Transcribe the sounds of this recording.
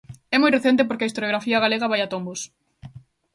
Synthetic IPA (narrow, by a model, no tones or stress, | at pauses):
ɛmojreθɛnt̪̬ɪpoɾkeaist̪oɾjoɣɾafiɐɣaleɣɐβajat̪ombos